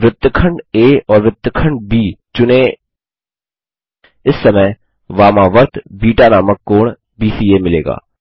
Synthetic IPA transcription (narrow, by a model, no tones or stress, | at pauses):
ʋɪt̪ːkʰə̃ɳɖeːɔːɾʋɪt̪ːəkʰə̃ɳɖ̚biːt͡ʃʊne | ɪsːɐmə | ʋaːmaːʋəɾt̪ʰbiːʈaːnaːməkːoːɳ | biːsiːeːmɪlḛːɡa̰ː